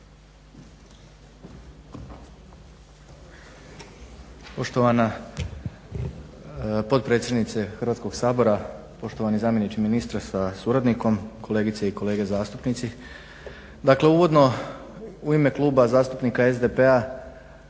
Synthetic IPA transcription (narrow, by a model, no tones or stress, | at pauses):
po̞ʃt̪oʋana | po̞d̪̚pɾe̞t̪sʲjed̪nit̪se̞xərʋat̪ko̞ɡsaːbo̞ɾa | po̞ʃt̪o̞ʋanizaːmje̞nit͡ʃiminist̪ɾasasuɾad̪niko̞mkʰo̞le̞ːɡit̪seiko̞le̞ːɡezaːst̪upnit̪si | d̪akle̞uʋo̞d̪no̞ | uime̞klˠuːbazaːst̪upnikae̞zd̪e̞pe̞a